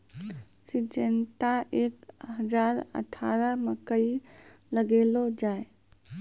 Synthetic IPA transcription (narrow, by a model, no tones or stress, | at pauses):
sid͡ʒent̪aʔeːkɦəd͡ʒaɾə̰ʈʰaɾəməkəi | ləɡeːlod͡ʒaːe